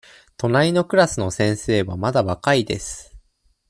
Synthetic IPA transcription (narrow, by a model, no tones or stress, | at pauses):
t̪o̞naino̞kɯ̟ɾasɨno̞sẽ̞ɰ̃se̞ːβamad̪aβakaid̪e̞̰sɨ̥